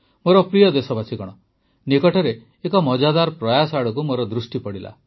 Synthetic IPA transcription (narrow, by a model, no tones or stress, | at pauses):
moɾɔpɾijɔd̪esɔbasʰikɔɽ̃ɔ | nikɔʈʰɔɾeː | kɔmɔd͡ʒad̪aɾpɾɔjasɔaɽɔkumoɾɔd̪ɾusʈipɔɽila̰